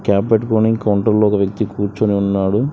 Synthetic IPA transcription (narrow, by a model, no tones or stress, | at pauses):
kaːpːeʈkoːniŋɡkɐwɳʈɐɾloːɔkɐʋjɐk̚t̪ikuːɾt͡ʃoːniunːaːɽu